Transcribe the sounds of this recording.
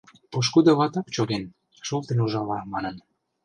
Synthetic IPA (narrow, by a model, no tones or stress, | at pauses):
oʃ̬kud̪ŏβɑt̪ɑkt͡ɕoɣen | ʃolt̪enuʒɑlɑmɑnən